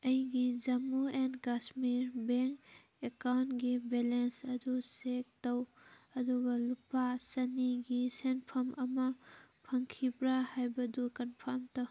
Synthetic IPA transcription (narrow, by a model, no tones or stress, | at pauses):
ɐjɡid͡ʒɐmuenkasmiɾbeŋk | ekawntɡibelensɐdusek̚tɐwɐduɡɐlupasɐniɡisenpʰɐmʔɐmɐpʰɐŋkʰibɾahajbɐdukɐnpʰamtɐw